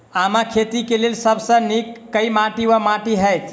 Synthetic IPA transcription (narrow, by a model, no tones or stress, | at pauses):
amakʰet̪ikelelsəbsə̃nikːəjmaʈiwamaʈiɦəjt̪ʰ